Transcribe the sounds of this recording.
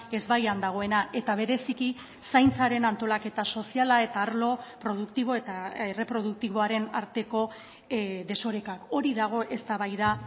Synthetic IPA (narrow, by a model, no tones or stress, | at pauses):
e̞zβajand̪aɣ̞o̞e̞naʔe̞t̪aβ̞e̞ɾe̞siki | sajnt͡saɾe̞nant̪o̞lake̞t̪aso̞sialae̞t̪aːɾlo̞pɾo̞ð̞ukt̪iβ̞o̞e̞t̪aere̞pɾo̞ð̞uk̚t̪iβ̞o̞aɾe̞naɾt̪e̞ko̞ | ðe̞so̞ɾekako̞ɾiðaɣ̞o̞ʔe̞st̪aβajða